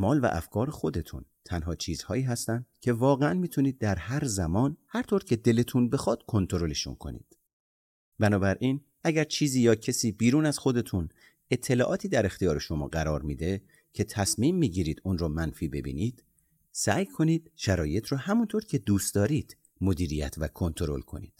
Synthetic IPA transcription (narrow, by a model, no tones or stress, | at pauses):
mɒːlvæ̰ʔæ̰fkʰɒːɾexo̞d̪e̞t̪ʰṵnt̪ʰænɦɒːt͡ʃʰiːz̥hɒ̰ːiːɦæst̪ænd̪̥cʰe̞vɒːɣeænmiːt̪ʰuniːd̪̚ːæɾhæɾzæmɒːnhæɾt̪ʰoɾcʰe̞d̪e̞let̪ʰunbe̞xɒːd̪̥kʰo̞nt̪ʰo̞ɾo̞leʃṵnkʰo̞̰nḭːd̪̥ | bænɒːbæɾʔin | æɟæɾt͡ʃʰiːziːjɒːcʰesiːbiːɾuːnæz̥xo̞d̪e̞t̪ʰun | e̞t̪ʰːe̞lɒːʔɒːt̪ʰiːd̪æɾe̞xt̪ijɒːɾe̞ʃo̞mɒ̰ːɢæɾɒːɾmiːd̪e̞ | cʰe̞t̪ʰæsmiːmːiɟiːɾiːd̪̥unɾɔːmænfiːbe̞̰bḭːniːd̪̥ | sæjkʰo̞niːd̪̥ʃæɾɒːje̞t̪ʰɾɔːhæmunt̪ʰoɾcʰe̞d̪uːst̪d̪ɒːɾiːd̪̥ | mo̞d̪iːɾijæ̰t̪ʰvækʰo̞nt̪ʰo̞ɾo̞̰lkʰo̞̰nḭːd̪̥